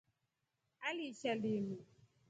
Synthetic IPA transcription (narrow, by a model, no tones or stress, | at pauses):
aliʃalimi